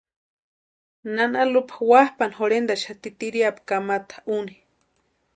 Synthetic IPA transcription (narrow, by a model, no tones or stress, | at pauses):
nanalupʰawahpanɦoɾend̪aʃat̪it̪iɾiapkamat̪ḁʔuni̥